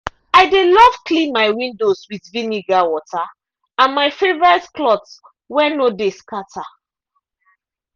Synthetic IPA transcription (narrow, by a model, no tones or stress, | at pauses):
aɪdelɔvklĩnmaɪwĩndoswidviniɡawɔta | ãnmaɪfevɔɹɛtklɔts | wɛnodeskatʰa